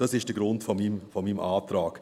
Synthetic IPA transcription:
d̥ɑsɪʃd̥əɡɾʊntfɔmimfɔmiːmʔɑːtɾɑːɡ̥

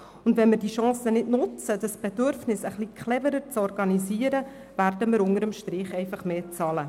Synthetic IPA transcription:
ʊndʋɛnmɪɾdiːʃɑ̃ːsənɪdnʊt͡sədəsb̥ɛdøɾfnɪsəχlikʰχlɛvəɾəɾt͡sɔɾɡɑniziəɾə | værdəmɪɾʊŋəɾəmʃtɾɪχɛɪfɑχmeːt͡sɑlə

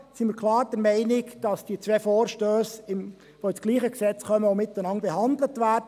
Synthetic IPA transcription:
simiːkʰlɑːɾd̥ɛɾmɛɪnɪkd̥ɑsd̥iət͡sʋeːfoːɾʃtøːsɪm | ʋoːɪsɡ̥liːχəksɛt͡sχœməomɪt̪ːənɑnb̥ɛhɑndlətvæːrdə

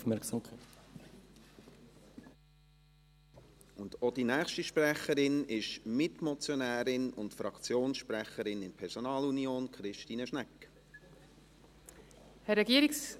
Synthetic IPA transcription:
fmɛɾksamkʰaɪt | ʊndod̥inæːχʃtiʃprɛχəɾɪnɪʃmɪtmɔt͡sjonæːɾɪnʊ̰ntfɾɑkt͡sjoːnsʃprɛχəɾɪnɪnpʰɛɾsonɑːlunjoːnkχɾɪʃtiːnəʃnɛkː | hɛɾɛɡiəɾiks

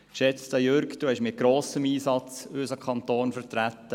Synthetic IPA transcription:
kʃɛt͡st̪əjøɾkd̪uːɛʃmɪt̚ɡ̥ɾoːsəmiːsɑt͡søsəkʰχɑnt̪oːnfəɾtɾæt̪ːə

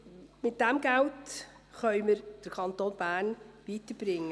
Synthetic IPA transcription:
mɪt̚d̥ɛmɡ̥ælt | χœʏməɾd̥əɾkʰɑntoːnb̥æːɾnʋiːtəɾb̥ɾɪŋːə

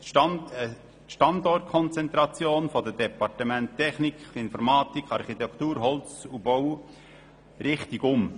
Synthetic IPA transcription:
ʃɑ | ʃtɑnd̪ɔrt̚kʰɔnt͡sɛnt̪ɾɑt͡sjoːnfɔd̪əd̥ɛpɑrtəmæntʰːɛχnikɪnfɔɾmɑːtikχɑɾχit̪ɛkʰt̪uːɾɦɔlt͡subɔw | ɾɪχt̪iɡʊm

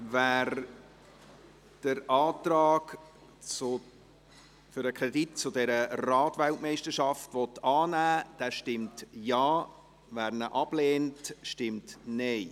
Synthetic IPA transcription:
væːɾ | d̥əɾɑːtɾɑːk | t͡sʊ | føɾəkʰʁɛdit̚t͡sʊdɛɾərɑːtʋæltmɛɪʃtəɾʃɑftʋɔtɑːnæːd̥æʃtɪmtjɑː | væːɾnəʔɑb̥leːntʃtɪmtnɛɪ

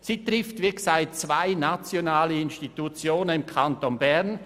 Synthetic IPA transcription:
siːt̪ʁɪftvɪksaɪtt͡svaɪnat͡sjonaːləɪnʃtitut͡sjoːnənɪmkʰantonbɛʁn

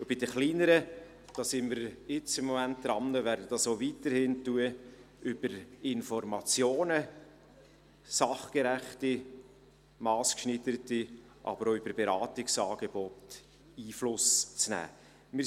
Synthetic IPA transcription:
ʊb̥ɪd̥əχliːnəɾə | d̥ɑːsɪnməɾɪt͡sɪmːɔmænt̚d̪̥ɾɑmnəʋæːɾdəd̥ɑsoviːtəɾhɪntuə | yb̥əɾɪnfɔɾmɑt͡sjoːnə | sɑχkeɾæχti | mɑːskʃnɪtəɾəti | ʔɑ̰bəɾoybəɾb̥eɾɑːtɪksɑːɡeb̥ɔt | iːflʊst͡snæ̰ː | mɪ

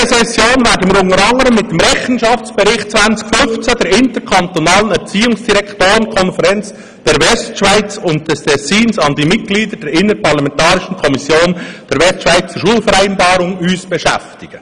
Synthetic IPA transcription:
əsɛsjoːnvɛːɾdəmiːɾʊŋəɾɑŋəɾəmːɪt̚d̥emɾɛχən̩ʃɑft͡sb̥ɛɾɪχt̚t͡svænt͡sɪ̥kfʏnft͡səd̥ɛɾɪntəɾkʰɑntonɑːlənɛɾt͡siːʊŋsd̥iʁɾɛktoːɾənkʰɔnfəɾɛnt͡s | d̥ɛɾʋɛstʃvaɪt͡sʊnt̚d̥ɛstʰɛsiːnsɑndimɪt̚ɡ̥liːdəd̥ɛɾɪnəpʰɑʁlɑmɛntɑːɾɪʃən̩kʰɔmɪsjoːnd̥ɛːɾʋɛstʃʋaɪt͡st͡səʃuːəlfəɾæɪnbɑːɾʊŋyːsb̥ɛʃɛ̰ftɪɡ̥ə

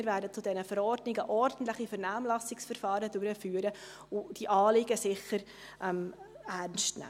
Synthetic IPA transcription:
ɪɾvæːɾdət͡sʊdɛnəfəɾɔɾdnɪɡəʔɔɾd̥ən̩tlɪχifɛɾnæːmlɑsɪksfəɾfɑːɾədʉɾəfyːəɾə | ʊd̥iʔɑːlɪɡəsɪχːəɾ | ʔɛm | ærnstnæ̰

